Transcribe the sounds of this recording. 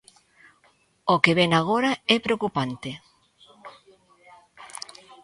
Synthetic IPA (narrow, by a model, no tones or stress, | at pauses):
okeβɛŋaɣ̞oɾaɛpɾeokupant̪ɪ